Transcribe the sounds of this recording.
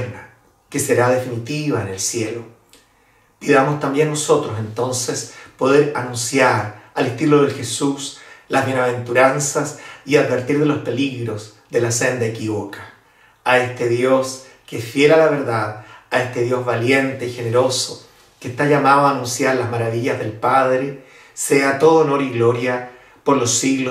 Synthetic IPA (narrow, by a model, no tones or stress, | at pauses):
ɾna | keseɾaðe̞finit̪iβaene̞lsjelo | piðamost̪ambje̞nːoso̞t̪ɾos̬e̞nt̪o̞nsespo̞ðeɾanũnsjaɾalest̪iloðelxe̞suslazβjenaβ̞e̞nt̪uɾansasiaðβe̞ɾt̪iɾðe̞lo̞spe̞liɣɾo̞s | ðe̞lasend̪aekiβokḁː | est̪eðjo̞s | kefjelalaβeɾðaðaest̪eðjo̞zβalje̞nt̪e̞ixe̞neɾo̞so | kest̪aʝamaðoaːnũnsjaɾlazmaɾaβ̞iʎazðe̞lpaðɾe | seat̪o̞ðonoɾiɣlo̞ɾja | poɾlosiɣlo